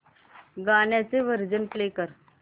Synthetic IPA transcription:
ɡaɳjat͡seʋəɾd͡zənplekəɾ

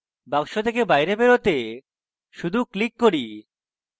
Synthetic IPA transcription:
baŋʃot̪ekebajɾebeɾot̪e | ʃud̪ʱuklikːoɽi

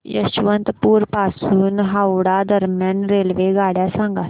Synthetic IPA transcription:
jə̰ɕʋənt̪puːɾpasuːnɦawɽad̪əɾmjanɾelʋeɡaɽjasãŋɡa

